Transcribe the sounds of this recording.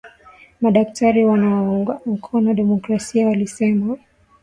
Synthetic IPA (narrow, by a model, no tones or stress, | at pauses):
maɗaktʰaɾiwanauŋɡam̩kʰɔnɔɗɛmɔkɾasiawalisɛma